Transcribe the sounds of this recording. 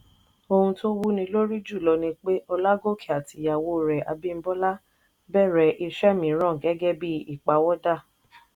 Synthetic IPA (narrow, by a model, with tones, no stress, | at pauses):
o˧hũ˧to˦wu˦nĩ˧lo˦ɾi˦d͡ʒu˦˨lɔ˧nĩ˧k͡pe˦ʔɔ˧la˦ɡo˦˨kʰi˦˨a˨ti˨ja˨wo˦˨ɾɛ˨a̰˨bi˦m̩˦bɔ˦la˦ | bɛ˦˨ɾɛ˨ʔi˧ʃɛ˦mĩ˨˦ɾɔ̃˦˨ɡɛ˦ɡɛ˦˨bi˦i˦˨k͡pa˨wɔ˦da˦˨